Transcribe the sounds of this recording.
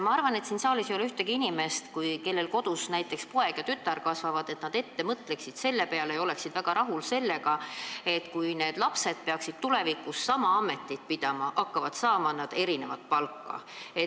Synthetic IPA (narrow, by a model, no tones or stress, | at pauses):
mɑɑrvɑne̞t̪siːnsɑːlisjolyht̪eɡiinime̞st̪kujke̞lːe̞lko̞d̪̥usnæjt̪ːˑe̞kspoe̞ɡ̥jɑt̪yt̪ːˑɑrkɑsvɑvɑd̪̥e̞t̪nɑd̪e̞t̪ːe̞mɤt̪le̞ksid̪̥se̞lːepe̞ɑlejo̞le̞ksid̪væɡ̥ɑɾɑɦulse̞lːe̞ɡɑe̞t̪kujne̞ːd̪̥lɑpse̞d̪̥̚peɑksid̪̥̚t̪ule̞vikusːɑmɑɑme̞t̪ːˑit̪̚pid̪̥ɑmɑʔɑkːɑvɑd̪̥sɑːmɑnɑd̪e̞ɾine̞vɑt̪̚pɑlkːɑ̰e